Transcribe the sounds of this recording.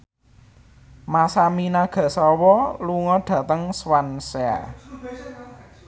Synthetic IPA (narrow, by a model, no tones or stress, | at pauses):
masaminaɡ̥ä̤sɔwɔluŋɔɖ̪̥ä̤t̪əŋswansea̰